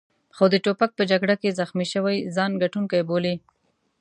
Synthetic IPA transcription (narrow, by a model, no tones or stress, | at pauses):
xod̪əʈopak̚pəd͡ʒaɡɽakezaxmiʃəwajzɑnɡaʈunkajboli